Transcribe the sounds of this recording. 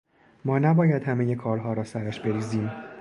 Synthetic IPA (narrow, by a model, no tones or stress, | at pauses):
mɒːnæbɒːjæd̪hæme̞je̞kʰɒːɾlɦɒːɾɒːsæɾæʃbe̞ɾiːziːm